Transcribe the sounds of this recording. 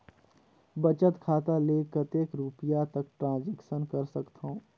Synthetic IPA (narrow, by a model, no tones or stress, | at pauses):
bɐt͡ʃət̪kʰaːt̪aleːkət̪eːkɾuːpijat̪ɐk̚ʈɾãːnd͡ʒɛːkʃənkɐɾsɐkt̪ɦõː